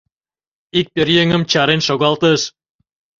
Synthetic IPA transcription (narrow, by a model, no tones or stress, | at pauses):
ik̚pʲerjeŋəmt͡ɕɑɾenʃoɣɑlt̪əʃ